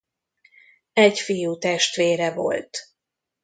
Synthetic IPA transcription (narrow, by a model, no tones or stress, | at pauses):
ɛɟfijuːt̪ɛʃt̪ʋeːɾɛvo̞̰lt̪